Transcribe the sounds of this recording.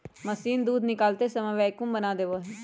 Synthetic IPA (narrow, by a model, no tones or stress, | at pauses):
məsiːnd̪uːd̪nɪkaːlt̪eːsəmɛʋɛːkʊ̃mbənaːd̪eʋoɦ